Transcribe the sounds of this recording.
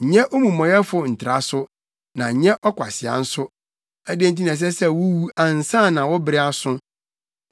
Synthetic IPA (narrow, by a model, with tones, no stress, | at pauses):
ɲ̩˨ɲɛ̃˦ʔo˦mũ˨mɔ̃˨jɛ˦fʊ˨n̩˨tʰɪ˨ɾa˨sʊ˦ | nã˨ɲɛ̃˦ʔɔ˦kʷʰa̰˨sɪ˨a̰˨n̩˦sʊ˦ | æ˦dẽ˦n̩˦t̬i˦nã˨s̬ɛ˦sɛ˦wu˦wu˦ã˨n̩˨sã˦˨nã˨wɔ˦bɪ˦ɾɪ˦a˨sʊ̃˦